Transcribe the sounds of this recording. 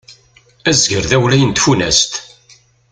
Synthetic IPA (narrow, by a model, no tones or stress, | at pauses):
æzʝəɾðæwlæjənt̪funæ̰st̪